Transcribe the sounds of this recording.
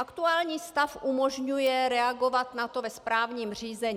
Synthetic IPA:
ʔakt̪uaːlɲiːst̪afʔumoʒɲujɛɾɛaɡo̞vat̪nat̪o̞vɛspɾaːvɲiːmr̝iːzɛɲː

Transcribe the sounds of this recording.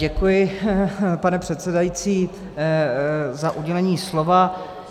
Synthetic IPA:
ɛkujɪ | panɛpr̥ɛt̪sɛdajit͡siː | zaʔuɟɛlɛɲiːslova

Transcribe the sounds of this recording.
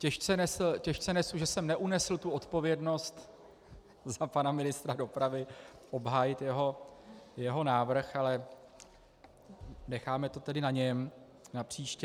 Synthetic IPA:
cɛʃt͡sɛnɛsl̩cɛʃt͡sɛnɛsluʒɛsɛmnɛʔunɛsl̩t̪uo̞t̪po̞vjɛdno̞st̪ | zapanamɪnɪst̪ɾado̞pɾavɪʔo̞bɦaːjɪt̪jɛɦo̞jɛɦo̞naːvr̩xalɛ | nɛxaːmɛt̪o̞t̪ɛdɪnaɲɛm | napr̥iːʃcɛ

